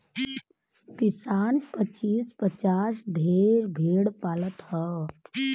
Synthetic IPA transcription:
kɪsaːnpət͡ʃiːspət͡ʃaːsɖʱeːɾbʱeːɽpaːlət̪hɛ

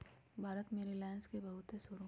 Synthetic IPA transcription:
bʱaːɾət̪meːɾilãːnskebɐɦʊt̪ɦesʊɾ

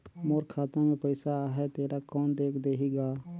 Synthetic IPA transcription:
moːɾkʰaːt̪ãmẽpəɪsaːɦɛt̪eːɾakɔːnd̪eːkʰd̪eːɦiɡaː

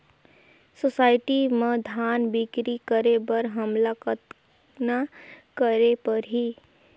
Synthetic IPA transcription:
sosaːɪʈimed̪ʱaːnbikɾikəɾebəɾɦəmlakət̪ | nakəɾepəɾɦi

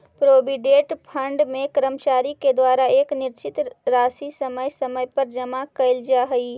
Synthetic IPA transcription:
pɾobiɖeʈpʰəɳɖmekɾəmt͡ʃaɾiked̪waɾaekniɾt͡ʃit̪ɾasisəməjsəməjpəɾd͡ʒəmakəɪld͡ʒaɦəi

